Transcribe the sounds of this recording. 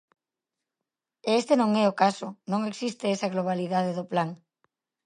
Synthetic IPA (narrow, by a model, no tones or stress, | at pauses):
eest̪enõŋɛʊkasʊnõŋeksist̪eesɐɣloβ̞aliðað̞eðʊplaŋ